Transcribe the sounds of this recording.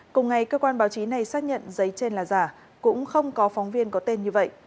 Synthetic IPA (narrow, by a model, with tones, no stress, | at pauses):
kʊ˨˩ŋ͡mŋa˨˩jkəː˧kwaː˧nɓaː˨˦wt͡ɕi˨˦na˨˩jsaː˦˥k̚ɲə̰˧˨nzə˨˦jt͡ɕe˧nlaː˨˩zaː˨˩ | kʊ̰˧˥ŋ͡mxə˧wŋ͡mkɔ˨˦fɔ˨˦wŋ͡mvi˧ənkɔ˨˦t̪e˧nɲɨ˧və̰˧˨jʔ